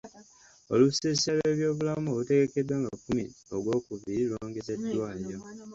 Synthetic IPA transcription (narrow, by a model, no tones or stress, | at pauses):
o̞lusesalwe̞ːβjo̞ːβulamulute̞ɡe̞kedwaːŋɡakumiolwo̞ːkuviloːŋɡezedːwaːɲo